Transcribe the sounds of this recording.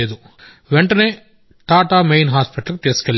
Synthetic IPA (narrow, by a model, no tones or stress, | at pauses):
eːd̪u | ʋeɳʈɐneː | ʈaːʈaːmejnɦaːspiʈɐlkut̪iːsu̥kelː